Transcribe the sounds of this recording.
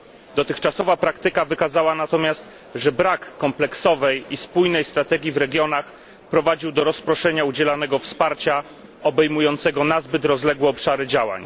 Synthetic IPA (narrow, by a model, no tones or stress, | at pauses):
d̪ɔt̪ɘxt͡ʂasɔvapɾakt̪ɘkavɘkazawanat̪ɔmʲjast̪ | ʐɛbɾakːɔmplɛksɔvɛjispujnɛjst̪ɾat̪ɛɡʲjivɾɛɡʲjɔnax | pɾɔvad͡ʑiwd̪ɔɾɔspɾɔʂɛɲaud͡ʑɛlanɛɡɔfspaɾt͡ɕa | ɔbɛjmujɔnt̪sɛɡɔnazbɘt̪ɾɔzlɛɡwɛɔpʂaɾɘd͡ʑawa̰ɲ